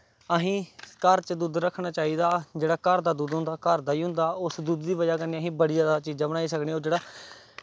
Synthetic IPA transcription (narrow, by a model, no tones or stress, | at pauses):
əɦĩːkəɾt͡ʃəd̪uːd̪ɾəkʰɽaːt͡ʃaːiːd̪aːd͡ʒeːɽaːkəɾd̪aːd̪uːd̪ɦʊ̃nd̪aːkəɾd̪aːiːɦʊ̃nd̪aːʊsd̪uːd̪ːiːʋəd͡ʒaːkənːiːəɦĩːbəɽiːd͡ʒaːd̪aːt͡ʃiːd͡ʒãːbəɽaːiːsəkneːoːd͡ʒeːɽaː